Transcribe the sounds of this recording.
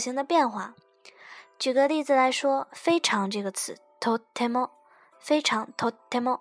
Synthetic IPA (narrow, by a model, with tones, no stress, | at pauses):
ɕi˧˥ŋd̪ə˧pjɛ˥˧nxwa˥˩ | t͡ɕy˨˩ɡə˦li˥˩d͡zɹ̩˨˩la˧˥ɪʂwɔ˥fe˥ɪʈ͡ʂʰɑ˧˥ŋʈ͡ʂɤ˥˩ɡə˩t͡sʰɹ̩˧˥ | t̪ʰo˧˥t̪ʰɛ˥mɔ˥˩ | fe˥ɪʈ͡ʂʰɑ˧˥ŋt̪ʰo˧˥t̪ʰɛ˥mɔ˥